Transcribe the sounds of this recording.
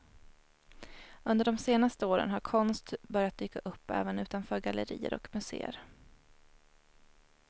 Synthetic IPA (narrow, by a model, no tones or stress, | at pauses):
ɵnd̪əɖɔmseːnast̪əoːɾə̰nɦaɾkʰɔnst̪bœɾjat̪̚d̪yːkaʔɵpːɛ̰ːvənʉ̟ːt̪anfœːɾɡaləɾḭːə̰ɾɔ̰kmɵsḛːə̰ɾ